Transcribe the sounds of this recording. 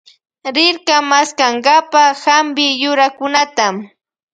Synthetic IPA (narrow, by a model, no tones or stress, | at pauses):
ɾɪɾkamaskaŋɢapahambɪjʊɾakʊnat̪am